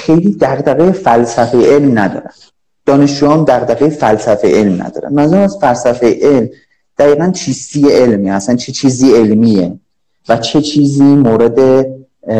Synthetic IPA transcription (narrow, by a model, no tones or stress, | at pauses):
xe̞jliːd̪æɣd̪æɣejefælsæfejeʔe̞lmnæd̪ɒ̰ːɾæ̰nd̪̥ | d̪̥ɒːne̞ʃd͡ʒuːjɒːnd̪æɣd̪æɣejefælsæfejee̞lmnæ̰d̪̥ɒ̰ːɾæ̰nd̪mæzæɾæmæsfælsæfejeʔelm | d̪̥æɣiːɣænt͡ʃʰiːst̪ijeelmiːæsænt͡ʃʰe̞t͡ʃʰiːziːe̞lmiːe | væt͡ʃʰe̞t͡ʃʰiːziːmoːɾe̞d̪e̞